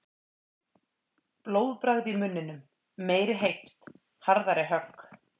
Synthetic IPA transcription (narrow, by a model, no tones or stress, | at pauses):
ploːwðpɾaɣðimʏnːʏnʏm | meːjɾɪɦejht̪ | haɾðaɾɪɦœkː